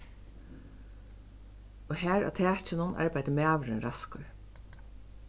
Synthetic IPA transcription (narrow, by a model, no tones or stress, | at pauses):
ɔɦæːɹa̰ːt̪ʰæːt͡ʃɪnʊna̰ɹpajt̪ɪmɛːʋɾɪnɾaskʊɹ